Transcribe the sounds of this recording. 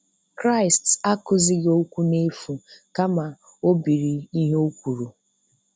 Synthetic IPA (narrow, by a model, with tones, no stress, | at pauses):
kɾa˦ɪ˨sta˦kʊ˨zɪ˦ɣo˦kʷu˦ne˦fu˨ka˦ma˨ | o˦bi˨ɾi˨i˦ɦe˦o˦kʷu˨ɾu˨